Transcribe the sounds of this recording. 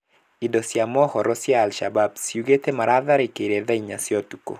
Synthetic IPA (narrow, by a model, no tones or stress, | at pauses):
idɔsjamɔhɔɾɔsjaːlʃababsiuɡetemaɾʔaðaɾikeɾeðaiɲasjɔtuko̰